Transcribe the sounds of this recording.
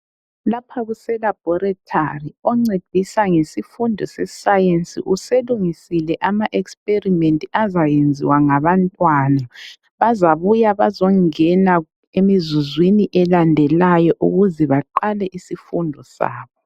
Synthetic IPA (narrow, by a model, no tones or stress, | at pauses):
lapʰaɣusɛlab̥ʱɔɾɛtʰariɔŋ͡ǀed̥ʱisaŋesifundʱɔsɛsajensḭʔuseluŋisilɛʔamaʔekspʼerimentʼiazajend͡zʱḭwaŋaβantʼwaːna | βazaβujaβazɔŋɛna | emizuzwiniʔɛlandʱɛlajɔʔṵɣuzɛβaǃalɛʔisifundʱɔsa̰ːβɔ